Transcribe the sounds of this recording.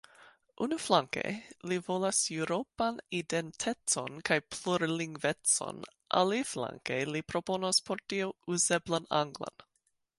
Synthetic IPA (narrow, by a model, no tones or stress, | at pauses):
ʔunuflaŋkḛjlivo̞lasuɾopanidentʰet͡so̞̰nkajpluɾliŋɡvet͡so̞̰nʔa̰lifla̰ŋkejlipɾo̞po̞naspʰoɾtiouze̞blana̰ŋɡla̰n